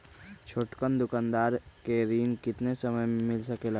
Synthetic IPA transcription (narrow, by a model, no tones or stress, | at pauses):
t͡ʃʰoːʈkənd̪ʊkãːnd̪aːɾkeɾiːnkɪt̪nesɐməjmɪlsɐkela